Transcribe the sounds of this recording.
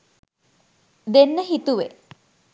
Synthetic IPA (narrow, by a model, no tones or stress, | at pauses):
d̪enːəɦit̪uʋe